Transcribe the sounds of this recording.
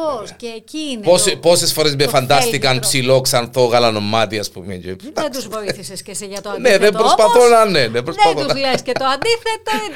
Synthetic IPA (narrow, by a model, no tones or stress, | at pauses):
osecinpospo̞sesfoɾezmefɐnd̪ɐst̪ikɐmpsilo̞ksɐnθo̞ɣɐlɐno̞mːɐt̪iɐspumḛɟeed̪uzoiθisesceseʝɐt̪neðembɾospɐθonɐnenembɾoɐθonlescet̪oɐnd̪iθet̪oi